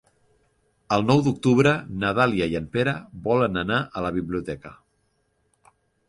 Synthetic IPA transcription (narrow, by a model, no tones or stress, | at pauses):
əlˠnɔwd̪uk̚t̪uβɾənəðaliəiəmpeɾəβɔlənənaʔələβiβliut̪ɛkə